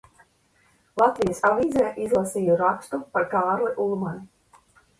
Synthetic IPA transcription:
lˠat̪vijasaviːzɛjʔizlˠasiːjuɾakst̪upaɾkaːɾlˠiʔulˠman

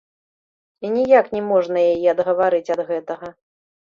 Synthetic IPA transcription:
inʲijaknʲɛmɔʐnɐjajiɐd̪ɣɐvaɾɨt͡sʲɐd̪ɣɛt̪ɐɣɐ

